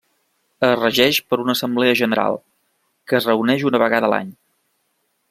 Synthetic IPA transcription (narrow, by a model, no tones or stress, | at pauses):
ərəʒɛʃpəɾunəːsəmbleəʒənəɾa̰lˠ | kəːzrəunɛʃunəβəɣaðəla̰ɲ